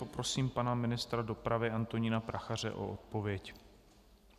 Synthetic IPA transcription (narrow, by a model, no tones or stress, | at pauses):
opɾo̞siːmpanamɪnɪst̪ɾado̞pɾavɪʔant̪o̞ɲɪnapɾaxar̝ɛ̰ʔo̰ʔot̪̚po̞vjɛc